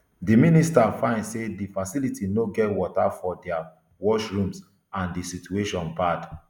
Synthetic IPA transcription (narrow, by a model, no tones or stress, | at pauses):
diministafãɪ̃ndsedifasilitinoɡɛtwɔtafɔdɛa | wɔʃɹũms | ãndisitueʃɔ̃nbad